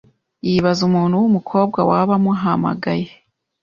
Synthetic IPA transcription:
jiβazumuːnhuwumukʰo̞ːb̚ɡwawaβamuɦama̰ɡaje

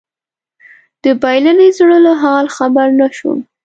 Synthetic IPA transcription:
d̪̥əbajlanezɽəloɦɑlxabaɾnaʃṵ

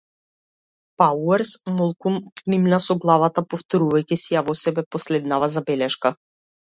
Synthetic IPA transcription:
pauɛɾsmɔlˠkunknimnasɔɡlˠavat̪apɔft̪ɔɾuvajcisiavɔsɛbɛpɔslɛd̪navazabɛlɛʃka

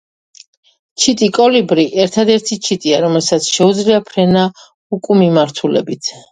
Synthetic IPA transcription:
t͡ʃʰit̪ʼikʼɔlibɾiʔɛɾt̪ʰad̪ɛɾt̪ʰit͡ʃʰit̪ʼiaɾɔmɛlsat̪sʰʃɛud̪zliapʰɾɛna | ukʼumimaɾt̪ʰulɛ̰bit̪ʰ

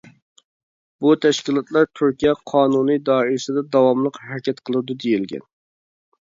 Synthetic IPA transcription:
but̪ʰɛʃkʲilˠɑt̪lˠɑɾt̪ʰyɾkʲijɛqʰɑːnunɨd̪ɑːiɾsɪd̪ɛd̪ɑwɑmlˠəqɦɛɾkʲʰɛt̪qʰəlˠɨd̪ud̪ejilɡʲɛ̰n

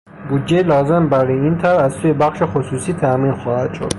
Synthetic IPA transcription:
buːd̪d͡ʒelɒːzembæɾɔːjeiːnt̪ʰævæzsuːjebæxʃexosuːsiːt̪ʰæmiːnxɒːhæd̪̥ʃo̰d̪̥

